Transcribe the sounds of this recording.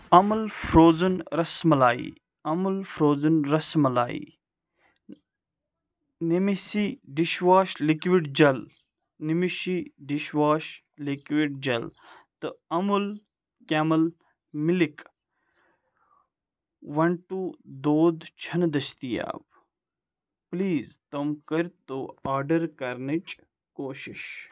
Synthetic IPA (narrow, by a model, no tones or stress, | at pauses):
ɐmɐlfʰɾoːzɐnɾɐsmɐlaːḭ | ɐmulfʰɾoːzɐnɾɐsmɐla̰ːḭ | nemisiɖiʃʋaːʃlikʋiɖd͡ʒɐl | nimiʃiɖiʃʋaːʃ | likʋiɖd͡ʒɐlt̪ɨɐmul | kɛːməl | mɪlik | ʋɐɳʈud̪oːd̪t͡ʃʰɐnd̪ɐst̪ija̰ːb | pliːzt̪ɐmkəɾt̪oaːɖɐɾkɐɾnit͡ʃ | koːʃiʃ